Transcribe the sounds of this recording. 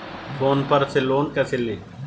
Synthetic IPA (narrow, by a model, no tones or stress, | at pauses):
fʰoːnpəɾsɪlːoːnkɛsɪli